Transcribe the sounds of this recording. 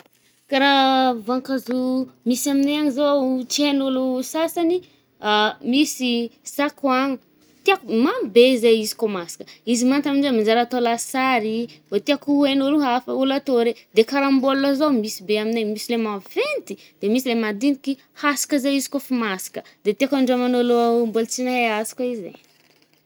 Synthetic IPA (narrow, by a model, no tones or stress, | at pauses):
kaɾavaŋkazumisaminajaɲizot͡ʃienulusasani | misisakwaŋi | t̪iakmabezejizi̥komasi̥kə̥izimant̪aminizemind͡ʒaɾat̪olasaɾivot̪iakuenuluɦafəulat̪oɾed̪ekaɾamboluazomisibeaminemisilemavent̪i | d̪̥emisilemad̪iniki | hasi̥kəzeizi̥kofimasi̥kəd̪et̪iakaɳɖ͡ʐomanolombolt͡sinaeasi̥kaizḛ